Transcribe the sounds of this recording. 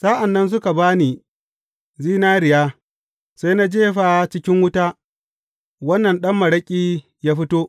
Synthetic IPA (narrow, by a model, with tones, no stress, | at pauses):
sa˦ʔa˨nːɐ˦ns̬ʊ˦ka˨baː˦niː˨ | ziː˦naː˦ɾɪ˨jaː˦ | sa˦jna˦d͡ʒeː˦ɸaː˨t͡ʃɪ˦kʲɪ˦ŋwʊ˦taː˦ | wɐ˦nːɐ˨nɗɐ˦mːɐ˨ɽɐ˦kʲʼiː˦ | jaː˦ɸɪ˦toː˦ʔ